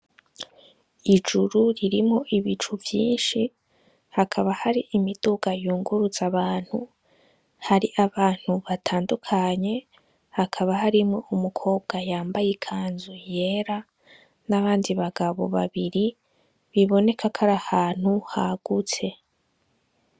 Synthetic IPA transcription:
id͡ʒuɾuɾiɾimŋo̞ʔiβit͡ʃuvjḭːnʃi | hakʰaβahaɾiʔimid̥uɡajuːŋɡuɾuz̥aβaːn̥hu | haɾiʔaβaːn̥huβatʰaːndukʰaɲe̞ | hakʰaβaɦaɾimŋo̞ʔumukʰo̞ːbɡajaːmbajekʰaːnzuje̞ːɾa | naβaːndiβaɡaβo̞̰βa̰βiɾi | βiβo̞ne̞kʰakʰaɾahaːn̥huhaɡ̥ut͡se̞

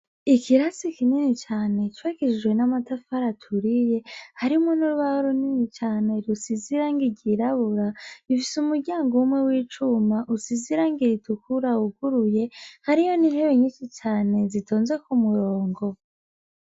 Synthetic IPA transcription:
ikiɾasikininit͡ʃaːne̞t͡ʃwakiʒiwe̞namatafaɾatʰuɾije̞haɾimŋonuɾuβahoɾuninit͡ʃaːne̞ɾusiziɾaŋɡiɟiɾaβuɾaifisumuɾɟaːŋɡowumŋe̞wiːt͡ʃumaʔusiziɾaŋɡiɾitukuɾauɡuɾuje̞haɾijo̞ninhe̞weɲiʃit͡ʃaːne̞zitʰoːnzwe̞kumuɾoːŋɡo̞

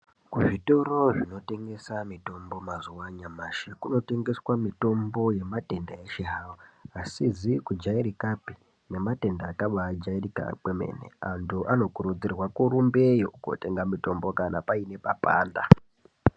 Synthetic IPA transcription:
kuʐito̞ro̞ʐino̞te̞ŋɡe̞samito̞mbo̞mazuwaɲamaʃekuno̞te̞ŋɡe̞swamito̞mbo̞je̞mate̞ndajeʃeɦawoasizikud͡ʒaiɾikapi̥ | ne̞mate̞ndaːkaʋad͡ʒairika̰kweme̞̰ne̞̰antʰuʔano̞kuɾud͡zirwakuɾumbejoko̰te̞ŋɡamito̞mbo̞kana̰paine̞papa̰ːnda

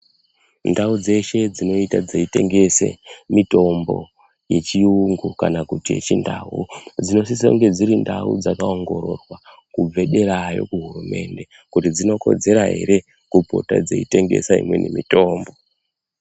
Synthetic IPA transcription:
ndaud͡ze̞ʃe̞d͡zino̞itad͡zeite̞ŋɡe̞sḛmito̞mbo̞̰ | je̞t͡ʃiuŋɡukanakutiet͡ʃindaud͡zino̞sis̬oŋɡe̞d͡ziɾindaṵd͡zakaoŋɡo̞ɾo̞̰rwa | kub͡ve̞ɗe̞ɾajo̞̰kuɦurume̞nde̞ | kutid͡zino̞ko̞̰d͡ze̞ɾaɦe̞̰ɾe̞ | kupo̞̰ta̰d͡zḛite̞ŋɡe̞̰saḭmwe̞̰nʔemito̞ːmbo̞

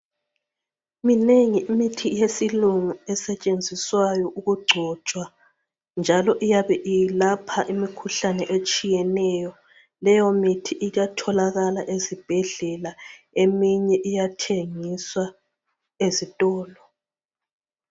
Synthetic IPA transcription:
imineŋiimitʰijesiluŋuɛsɛt͡ʃʼend͡zʱiswajɔʔuɣuɡ͡ǀʱɔt͡ʃʼwa | nd͡ʒʱalɔʔijaβɛʔijlapʰaʔimikʰuɬanɛʔet͡ʃʼijɛnɛjɔ | lɛjɔmitʰiʔiɣatʰɔlaɣalaʔezib̥ʱɛɮɛla | emiɲɛʔijatʰeŋiswa | ezitʼɔːlɔ

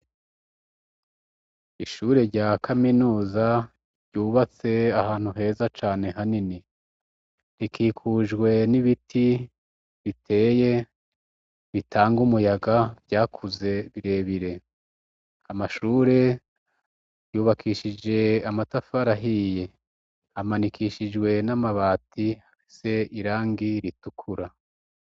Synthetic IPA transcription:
iʃuːɾe̞ɾɟaːkʰaminuːza | ɾɟuːβat͡se̞ahaːn̥huɦe̞ːzat͡ʃaːne̞ɦanini | ɾikiːkʰuʒɡwe̞niβitʰi | βitʰe̞ːje̞ | βitʰaːŋɡumujaɡavjaːkʰuze̞βiɾe̞βiɾe̞ | amaʃuːɾe̞ | juːβakʰiːʃid͡ʒe̞amatafaɾaɦije̞ | amanikʰiːʃid͡ʒɡwe̞namaβaːtʰihafise̞iɾaːŋɡiɾitukʰuɾa

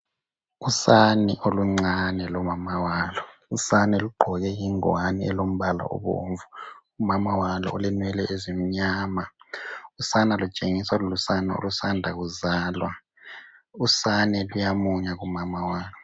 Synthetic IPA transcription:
usaniʔoluŋ͡ǀanɛlɔmamawaːlɔusanɛluɡ͡ǃʱɔɣɛjiŋɔaniɛlom̩βala̰ɔ̰βo̰ɱvuumamawalɔ̰olinwɛlɛʔezim̩ɲama | usanalut͡ʃʼeŋiswalulusanao̰lusandʱaɣuzaːlwa | usanɛlujamuɲaɣumamawaːlɔ

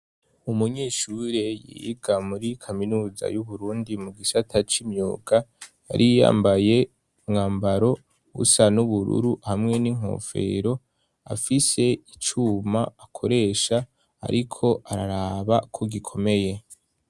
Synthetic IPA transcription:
umuɲiʃuɾe̞jḭɡamuɾikʰaminuːza̰juβuɾuːndimuɡisatʰat͡ʃimɲuːɡaja̰ɾija̰ːmbaje̞ | ŋaːmbaɾo̞ | βṵsanuβuɾṵɾuhamŋe̞niŋ̥o̞̰ːfe̞̰ɾo̞ | a̰fise̞it͡ʃumaakʰo̞ɾe̞ːʃa̰ː | ɾikʰo̞ʔaɾaɾaːβakʰo̞ɡikʰo̞me̞je̞

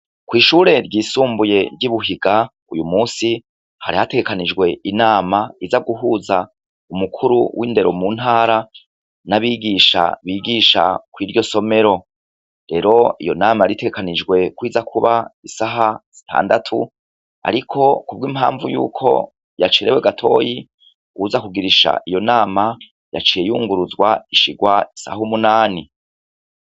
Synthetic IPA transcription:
kwiːʃuːɾe̞ɾɟiːsuːmbuje̞ɾɟiβuɦiɡa | ujumuːsi | haɾihate̞ɡe̞kanid͡ʒɡwe̞ʔinaːmaizaɡuɦuza | umukʰuɾuwʔiːnde̞ɾo̞̰muːn̥haːɾa | naβiːɡiːʃa̰βiːɡiːʃa̰kwiːɾɟo̞so̞me̞ɾo̞ | ɾe̞ɾo̞ijo̞̰naːmajaɾiteɡekaniɡwe̞kwiːzakʰuβaisaɦaz̥itʰa̰ːndatʰu | a̰ɾikʰo̞kub̚ɡiːmha̰ːɱvujṵːkʰo̞̰ | jat͡ʃeɾe̞weɡatʰo̞ːji | uwuzakuɡiɾiʃa̰ʔijo̞naːma | ja̰t͡ʃijejuːŋɡuɾuzɡwaiʃiɡwaisa̰humunaːni

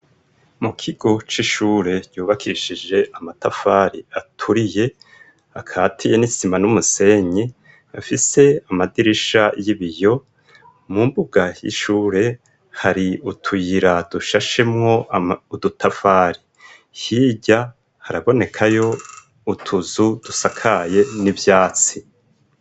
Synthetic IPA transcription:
mukʰiɡo̞t͡ʃiʃuːɾe̞ɟ̥ɟuːβakʰiiʃid͡ʒe̞ʔamatafaːɾiatʰuɾije̞ | akʰaːtʰije̞nisimanumuse̞ɲe | afise̞amadiɾiʃajiβijo̞ | mumbuɡajḭʃuːɾe̞ | haɾiutʰujiɾad̥uʃaʃe̞mŋo̞udutʰafaːɾi | hiːɟa | haɾaβo̞ne̞kʰajo̞ | utʰuzud̥usakʰaje̞nivjaːt͡si

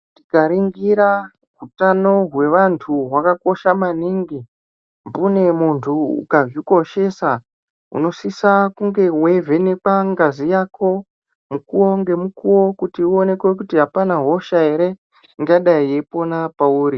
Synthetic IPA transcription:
tikaɾiŋɡiɾa | ɦutano̞ɦwe̞ʋantʰuɦwakako̞ʃamaniŋɡi | mbune̞muntʰuṵkaviko̞ʃe̞sa | ṵno̞sisakuŋɡe̞wevʱe̞nekaŋɡazijaːkʰo̞ | mukuwo̞ŋɡe̞mukuwo̞kutiuo̞ne̞kwe̞k̬utiɦapanaɦo̞ʃae̞ɾe̞ | ŋɡaɗaie̞po̞napauːɾi

